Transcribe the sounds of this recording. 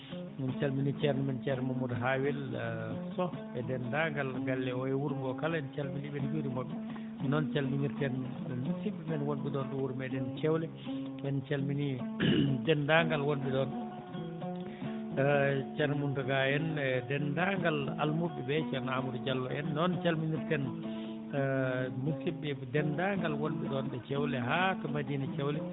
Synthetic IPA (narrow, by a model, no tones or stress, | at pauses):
mɛnt͡ʃalminit͡ʃɛɾnmɛnt͡ʃɛɾnɛmumudɦawilsɔ | ɛdɛndaŋɡalɡalːɛɔɛwuɾmɔkalɛnt͡ʃalminibɛnd͡ʒuɾimoɓːɛ | nɔnt͡ʃalminiɾtɛn | siɓːimɛnwonbiɗɔnɗɔwuɾmɛdɛnt͡ʃɛwlɛ | ɛnt͡ʃalmini | dɛndaŋɡalwonbiɗɔn | t͡ʃɛɾmuntɔɡajɛndɛndaŋɡala̰lmuɓːɛbɛt͡ʃɛɾnamudud͡ʒalːɔʔɛnːɔnt͡ʃalminiɾtɛn | musiɓːɛdɛndaŋɡalwonɓɛɗɔnɓɛt͡ʃɛwlɛɦatɔmadiːnat͡ʃɛwlɛ